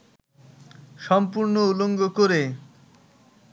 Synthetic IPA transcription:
ʃɔmpuɾnouloŋɡokoɾe

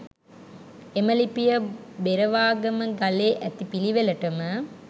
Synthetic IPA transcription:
eməlipijəbeɾɐʋaːɡɐməɡɐleːʔæt̪ipiliʋelɐʈɐmə

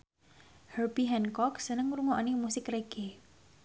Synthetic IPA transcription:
hərbiɦɛnkɔksənəŋɾuŋɔʔnimusɪkreɡ̥e

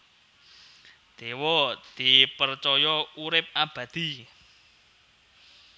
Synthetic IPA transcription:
d̪̥ewɔd̪̥i̤pərt͡ʃɔjɔuɾɪp̚ab̥ä̤d̪̥i̤

